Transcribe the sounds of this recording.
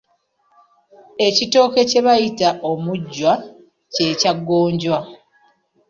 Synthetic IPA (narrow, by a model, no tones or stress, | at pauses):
e̞cito̞ːke̞ce̞βajitaʔomuɟːwa | ce̞ːcaɡːo̞ːɲɟwa